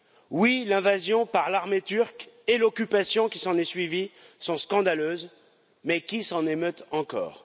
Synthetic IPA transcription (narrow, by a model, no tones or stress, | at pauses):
wilɛ̃vazjɔ̃paʁlaʁmet̪yʁkelɔkʲypasjɔ̃kʲisɑ̃nɛsɥivisɔ̃skɑ̃d̪aløːz | mɛkʲisɑ̃nemøt̪ɑ̃kɔ̰ːʁ